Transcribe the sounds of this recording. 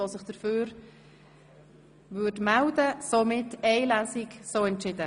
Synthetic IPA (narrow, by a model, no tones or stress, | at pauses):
osəχd̥əɾføːɾ | vʏːdmældəsomɪtɛɪlæsɪksoːɛntt͡ʃɪdə